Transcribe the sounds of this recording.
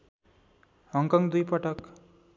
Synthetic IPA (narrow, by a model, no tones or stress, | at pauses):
hʌŋkʌŋd̪ujpʌʈʌk